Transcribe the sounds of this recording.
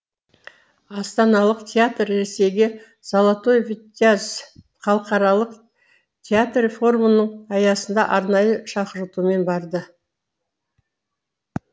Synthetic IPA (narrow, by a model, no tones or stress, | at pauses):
ɑst̪ɑnɑlˠəqt̪ʲʰeat̪rɾese̞jɡʲe | z̥ɑlˠat̪o̞jvtaz | χɑlˠəqɑɾɑlˠəq | t̪ʲʰeat̪refo̞rmənəɴɑjɑsənd̪ɑʔɑɾnɑjəʃɑqəɾət̪ume̞nbɑɾd̪ə